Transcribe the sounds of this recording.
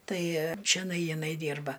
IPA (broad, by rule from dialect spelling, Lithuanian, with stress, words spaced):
ˈtɐɪ t͡ʃʲɛˈnɐɪ jɪˈnɐɪ ˈdʲiːrbɐ